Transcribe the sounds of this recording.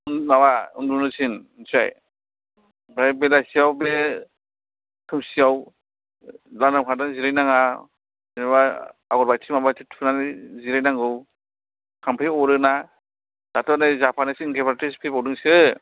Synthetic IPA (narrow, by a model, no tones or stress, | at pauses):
unnawaɯndunɯsʰinsa̰j | bɾajbelasiawbe | kʰɯmsiaw | laŋndamkʰadanziɾɯjnaŋa | enabaaɡɔɾbajtʰimabatʰitʰpʰɯnanziɾajnaŋɡɯw | kʰampʰeɔɾɯna | d̥atʰɔnajzapʰanɯsinkʰepaɾatispʰepawdɯŋsɯ